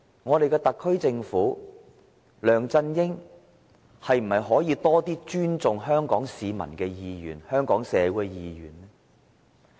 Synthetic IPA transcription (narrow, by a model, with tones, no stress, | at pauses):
ŋɔː˨˧ɾe˨jkɛː˧t̪ɐ˨kʰːɵ˥ɥt͡sɪ˧ŋfuː˨˥ | lœː˨˩ŋt͡sɐ˧njɪ˥ŋ | hɐ˨jm̩˨˩hɐ˨jɦɔː˨˥jiː˧t̪ɔː˥t̪iː˥t͡ʃyː˥nt͡sʊ˨ŋɦœː˥ŋkɔː˨˥ŋsiː˨˧mɐ̰˨˩nkɛː˧jiː˨jyː˨˩nhœː˥ŋkɔː˨˥ŋsɛː˨˧kɛ˧jiː˨jy̰ː˨˩nlɛː˥